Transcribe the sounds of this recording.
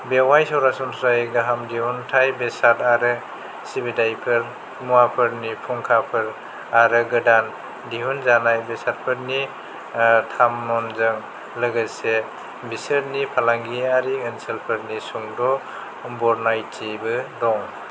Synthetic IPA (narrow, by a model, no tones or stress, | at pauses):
bewajsɔwɾasɔntʰɾajk̚daɦamdiɦuntʰajbesataɾɯ | sibidajpʰɯɾ | muapʰɯɾnipʰɔŋkʰapʰɯɾ | aɾɯɡɯdan | diɦunzanajbesat̚pʰɯɾni | tʰamnɔnzɯŋ | ləɡase | bisəɾnipʰalaŋɡiaɾiɯnselpʰɯɾnisuŋdɔ | bɔɾnajtibɯdɔŋ